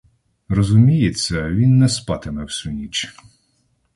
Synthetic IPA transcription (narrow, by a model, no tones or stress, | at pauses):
rɔzʊmʲijesʲɐʋʲinːɛspɑt̪ɪmɛwsʊnʲit͡ʃ